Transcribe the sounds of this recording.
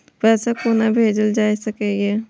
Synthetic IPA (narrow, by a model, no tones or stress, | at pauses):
pɛːsakoːnabʱeːd͡ʒəld͡ʒaːisəkeːɡe